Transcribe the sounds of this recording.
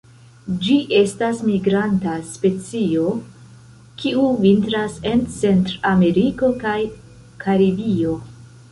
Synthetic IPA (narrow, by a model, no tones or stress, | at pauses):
d͡ʒiʔe̞stasmiɡɾantaspe̞t͡sio̞ | kʰiuvintɾase̞nt͡se̞ntɾame̞ɾiko̞kaj | kʰaɾibio̞